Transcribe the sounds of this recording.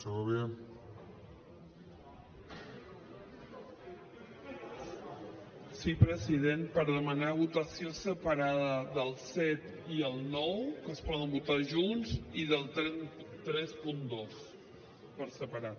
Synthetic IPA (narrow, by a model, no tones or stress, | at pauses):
səɣoβe | sipɾəzið̞enpəɾðəmənaβ̞ut̪əsiosəpəɾaðəðəlˠsɛt̪ | iəlˠnɔwkəspɔð̞əmbut̪aʒunziðəlˠt̪t̪ɾɛspund̪os | pəɾsəpəɾat̪